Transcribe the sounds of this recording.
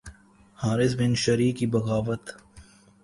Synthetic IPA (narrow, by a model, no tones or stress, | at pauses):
haːɾɪs̬bɪnʃɐɾiːkibɐɣaːʋət̪